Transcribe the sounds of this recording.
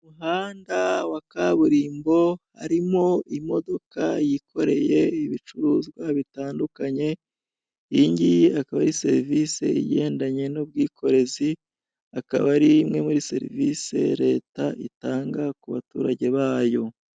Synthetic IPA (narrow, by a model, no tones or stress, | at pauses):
muɦaːndawakaβuɾiːmbo̞haɾimo̞imo̞do̞kajikʰo̞ɾe̞̰je̞iβit͡ʃuɾuːzɡwaβitaːndukaɲe̞ | iɲɟiakaβaɾise̞ɾivise̞̰ḭje̞ːndaɲe̞nub̚ɡiːkʰo̞ɾe̞zi | aka̰βaɾimŋemuɾise̞̰ɾḭvise̞̰ɾe̞ːtaʔitaːŋɡakuβa̰tṵːɾaɟe̞βaːjo̞